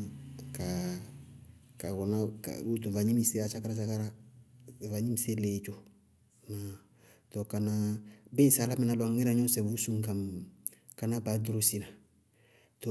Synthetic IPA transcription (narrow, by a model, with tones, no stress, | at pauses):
ka˨ | ka˨kɔ˨na˦ka̰˨u˦tũ˨va˨ɲĩ˦mi˦se˦a˨sa˦ka˦ɾa˦sa˦ka˦ɾa˦˨ | va˨ɲĩ˦mi˦se˦le˨t͡ʃo˦ | na˨ | to˨ka˨na˦bẽ˦sa˨la˦mɛ̃˦na˨lɔ˨ŋ˦ŋɛ˦ɾã˨˦ɲɔ̃˦sɛ˨wu˦sũ˦ŋ˦kã˨m | ka˨na˦ba˨do˦ɾo˦si˦na˨ | to˨